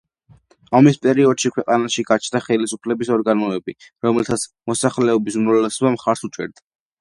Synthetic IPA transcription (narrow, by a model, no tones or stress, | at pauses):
amispʼɛɾiɔd̪̥ʃikʰwɛqʼanaʃiɡat͡ʃʰnaχɛlisupʰlɛbisɔɾɡanɔɛbiɾɔmɛlt̪ʰat̪sʰmɔsaχlɛɔbismɾɔlɛsɔbamχaɾsut͡ʃʼɛ̰ɾd̪a